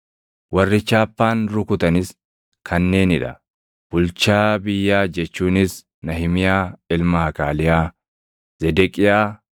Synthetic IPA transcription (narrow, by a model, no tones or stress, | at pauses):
wɐrːɪt͡ʃːaːpːaːnɾʊkʊt̪ɐnɪs | kʰɐnːe̞ːnɪᶑɐ̥̰ | b̥ʊlt͡ʃaːbɪjːaːd͡ʒɛt͡ʃːuːnɪs | nɐhɪmɪjaːɪlmɐhɐkaːlɪjaː | z̥ɛd̪ɛkʼɪjaː